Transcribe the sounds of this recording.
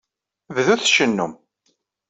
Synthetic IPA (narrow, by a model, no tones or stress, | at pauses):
vðuθʃənːum